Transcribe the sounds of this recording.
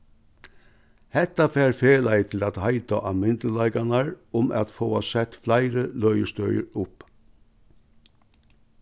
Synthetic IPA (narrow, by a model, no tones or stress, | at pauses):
hɛt̪afæːɾfeːlæɪt̪ʰɪlæt̪hɑɪt̪aʔɑmɪnd̪əlɑɪɡanɑɹʊmʔæ̰t̪foːasɛt̪flæɪɾəlœʏəst̪œʏəɾʊp